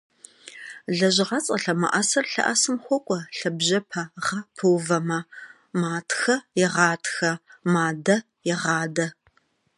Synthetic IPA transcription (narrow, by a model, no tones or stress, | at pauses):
ɮɐʑɪʁɐt͡sʼɐɬɐmɐ̰ʔɐsɐrɬɐ̰ʔɐsɨmxʷɔkʷʼɔɬɐbʑɐpʰɐʁɐpʰɨwvɐmɐ | maːtʰxɐjɪʁɑːtʰxɐmaːdɐ | jɪʁɑːdɐ